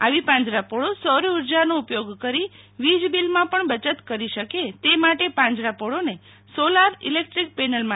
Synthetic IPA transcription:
aʋipãɲd͡ʒɾapoɽosɔɾuɾd͡ʒanoʊpjoɡkəɾi | ʋid͡ʒbilmãpəɳbət͡ʃət̪kəɾiʃəket̪emaʈepãɲd͡ʒɾapoɽone | solaɾḭlek̚ʈɾik̚penəlmã

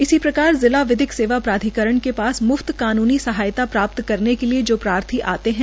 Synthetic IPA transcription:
ɪsipɾɐkaːɾzɪlaʋɪd̪ɪkseːʋapɾaːd̪ʱikəɾəɳ̃kepaːsmʊft̪kaːnuːnisɐɦaːjt̪apɾaːp̚t̪kɐɾnekelied͡ʒoːpɾaːɾt̪ʰiʔa̰ːt̪eɦɛ̃ː

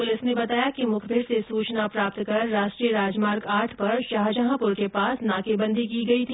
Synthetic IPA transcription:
pʊlɪsnebɐt̪aːjakimʊkʰbʱɪɾsesuːt͡ʃnapɾaːp̚t̪kɐɾːaːʃʈɾijəɾaːd͡ʒmaːɾɡaːɾʈʰpɐɾʃaɦd͡ʒəɦãpʊɾkepaːsnaːkebɐ̃nd̪ʱikiɡɐit̪ʰi

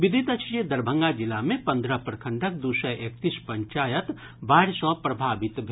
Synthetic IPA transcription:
ʋɪd̪ʱit̪ɐt͡ʃed̪ɐɾbʱə̃ŋɡad͡ʒɪlamẽpɐ̃nd̪ɾəpɾɐkʰə̃ɳɖək̚d̪usɔʔeːk̚t̪ispɐ̃ɲt͡ʃaːjət̪ | baːɪɾsɔpɾɐbʱaːʋɪt̪bʱ

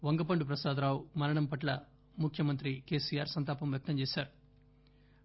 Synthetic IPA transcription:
ʋɐŋɡɐpɐɳɖupɾɐsaːd̪ɾaːwmɐɾɐɳɐmpɐʈlɐ | mukʰjɐmɐnt̪ɾike̞ːsijaːɾsɐnt̪aːpɐmjɐk̚t̪ɐmt͡ʃeːsaːɾu̥

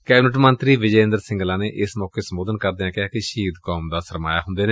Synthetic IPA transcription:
kɛːbnɪʈ̬mənt̪ɾiːʋɪd͡ʒɛːə̃nd̪əɾsɪ̃ŋɡlãːneːʔɪsmɔːkeːsəmoːd̪ənkəɾd̪ɪãːkɪjaːkɪʃiːd̪kɔːmd̪aːsəɾma̰ːja̰ːɦʊnd̪eːneː

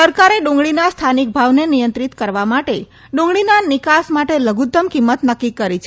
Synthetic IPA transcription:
səɾkaɾeɖũŋɡɭinast̪ʰanik̚bʱaʋnenijə̃nt̪ɾit̪kəɾʋamaʈe | ɖũŋɡɭinanɪkasmaʈeləɡut̪ːəmkimːət̪nəkːikːəɾit͡ʃʰ

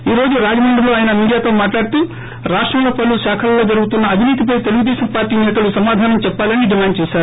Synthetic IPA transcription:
iːɾo̞ːd͡ʒuɾaːd͡ʒɐmɐɳɖɐlo̞ːaːjɐnɐmiːɽijaːt̪o̞ːmaːʈlaːɽt̪uː | ɾaːʂʈɾɐmlɐpɐluʃaːkʰɐlɐloːd͡ʒɐɾuɡut̪unːɐːbiniːt̪ip̬ɐjt̪e̞luɡud̪ɛːɕɐmpaːɾʈːiːnɛːt̪ɐlusɐmaːd̪ʱaːnɐmt͡ʃɛpːaːlɐniɖimaːɳɖ̚t͡ʃɛːʃaːɾu

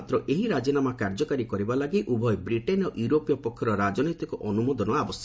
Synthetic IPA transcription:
t̪ɾɔʔeɦiɾad͡ʒinamakaɾd͡ʒɔkaɾikɔɾibalaɡiʔubʱɔjbɾiʈenɔʔjuɾopijɔpɔkʰːɔɾɔɾad͡ʒɔnot̪ikɔʔɔnumɔd̪ɔnɔabɔs

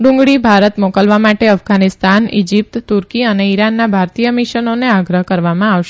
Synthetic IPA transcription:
ɖũŋɡɽibʱaɾət̪mokəlʋamaʈeəfɡanist̪anḭd͡ʒip̚t̪ːuɾkiəneiɾanːabʱaɾt̪ijəmiʃənoneaɡɾəɦkəɾʋamãaʋʃe

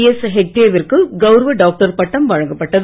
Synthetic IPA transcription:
esɦek̚ʈeːʋɪɾkːɯɡɐʊɾɐʋɐɖaːk̚ʈɐɾpɐʈːɐmʋɐɻɐŋɡɐpːɐʈːɐð

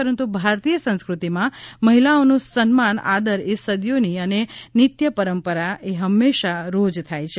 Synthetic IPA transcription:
əɾənt̪ubʱaɾt̪ijəsə̃nskɾut̪imãməɦilaonũsənmana̰d̪əɾesəd̪joniənenɪt̪jəpəɾəmpəɾaeɦəmːeʃaɾod͡ʒt̪ʰajt͡ʃʰe

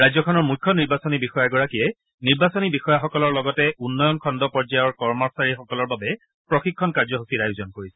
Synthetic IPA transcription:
ɹajzɔkʰɔnɔɹmukʰːɔniɹbasɔnibixɔjaɡɔɹakijɛ | niɹbasɔnibixɔjaxɔkɔlɔɹlɔɡɔtɛʔunːɔjɔnkʰɔndɔpɔɹzajɔɹkɔɹmɔsaɹixɔkɔlɔɹbabɛ | pɹɔxikʰːɔnkaɹzɔɦusiɹajuzɔnkoɹisɛ

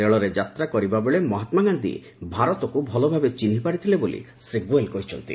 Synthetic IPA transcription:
eɭɔɾed͡ʒat̪ɾakɔɾibabeɭemɔɦat̪maɡand̪ḭ | bʱaɾɔt̪ɔkubʱɔlɔbʱabet͡ʃinipaɽit̪ʰilebolḭ | sɾiɡuelkɔɦit͡ʃʰɔnt̪ḭ

